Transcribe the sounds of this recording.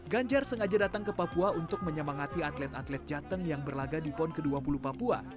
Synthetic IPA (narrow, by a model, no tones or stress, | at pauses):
ɡaɲd͡ʒarsəŋad͡ʒadat̪aŋkəpapuaunt̪ʊk̚məɲəmaŋat̪iat̪lɛt̪at̪lɛt̪̚d͡ʒat̪əŋjaŋbərlaɡadipɔnkəduapulupapua̰